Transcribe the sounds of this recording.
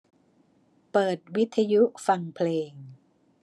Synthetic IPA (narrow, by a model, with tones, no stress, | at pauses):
pɤː˨˩t̪̚wi˦˥t̪ʰːa˧ju˦˥fa˧ŋpʰleː˧ŋ